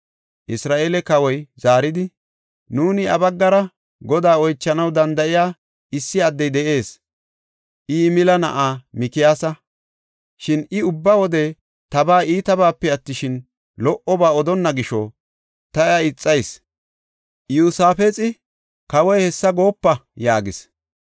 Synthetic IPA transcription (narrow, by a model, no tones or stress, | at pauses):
ʔɪsɾaːʔelɛkɐwɔjz̥aːɾɪd̪ɪ | nuːnɪɐbɐɡːɐɾɐ | ɡɔd̪aːɔjt͡ʃːɐnɐwd̪ɐnd̪ɐɪjaː | ɪsːɪɐd̪ːɛjd̪ɛʔe̞ːs | ʔɪmɪlɐnɐ̰ʔaːmɪkɪjaːsɐ | ʃɪnɪʊbːɐwɔd̪ɛ | t̪ɐbaːʔiːt̪ɐbaːpːɛɐt̪ːɪʃɪn | lɔʔɔbaːɔd̪ɔnːɐɡɪʃɔ | t̪ɐjɐɪt͡sʼːɐjs | juːsaːfet͡sʼɪ | kɐwɔjhɛsːɐɡo̞ːpːɐjaːɡɪs